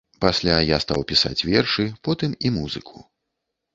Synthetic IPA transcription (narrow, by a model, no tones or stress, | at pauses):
pasʲlʲajast̪a̰wpʲisa̰t͡sʲvʲɛrʂɨpɔt̪ɨmimuzɨkʰu̥